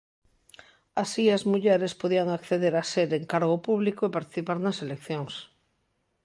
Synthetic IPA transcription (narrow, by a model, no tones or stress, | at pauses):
asiazmuʎeɾespoðiaŋakθeðeɾaseɾeŋkaɾɣopuβlikoepaɾt̪i̥θipaɾnɐselekθjoŋs